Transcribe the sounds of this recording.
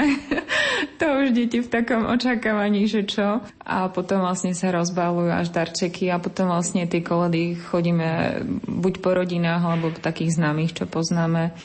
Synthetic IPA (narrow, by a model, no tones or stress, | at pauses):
t̪ɔuʒɟɛcift̪akɔmʔɔ̰t͡ʃakaːʋaɲiːʒɛt͡ʃɔ | ʔa̰pɔt̪ɔmvlasɲɛsaɾɔzbalujua̰ʒd̪aɾt͡ʃɛkiapɔt̪ɔmvlasɲɛt̪ɪɛkɔlɛd̪ixɔɟiːmɛ̰bucpɔɾɔɟinaːɣalɛbɔt̪akiːɣznaːmixt͡ʃɔpɔznaːmɛ